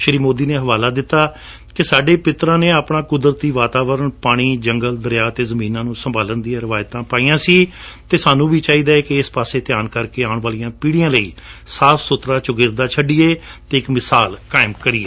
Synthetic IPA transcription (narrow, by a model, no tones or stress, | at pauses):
ʃəɾiːmoːd̪iːneːɦəʋaːlaːd̪ɪt̪ːaː | kɪsaːɖeːpɪt̪ɾãːneːaːpɳãːkʊd̪ɾət̪ːiːʋaːt̪aːʋəɾəɳpaːɽ̃iːd͡ʒəŋɡəld̪əɾjaːt̪eːzəmĩːnãːnũːsəmbaːlənd̪ijãːɾɪʋaːjt̪ãːpaːijãːsiːt̪eːsaːnũːbiːt͡ʃaːiːd̪aːekɪɪspaːseːt̪ɪjaːnkəɾkeːaːʊɳʋaːlijãːpiːɽijãːləḭː | saːpʰsʊt̪ɾaːt͡ʃʊɡɪɾd̪aːt͡ʃʰəɖiːeːt̪eːɪkmɪsaːlkaːɪmkəɾiːeː